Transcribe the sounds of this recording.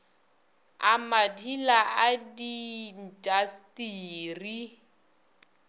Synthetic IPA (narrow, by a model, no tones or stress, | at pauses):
amadilaadin̩tʼastʼiːri